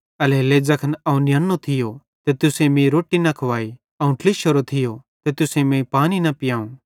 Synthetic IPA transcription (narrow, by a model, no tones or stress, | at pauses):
ɐleled͡ʒɐkʰənɐũnɪjɐnːot̪ʰɪjo | t̪et̪ʊsẽmẽɾoːʈːinɐkʰoʋaːi | ɐũʈlɪʃoɾot̪ʰɪjot̪et̪ʊsẽmẽpaːninɐpɪjãːũː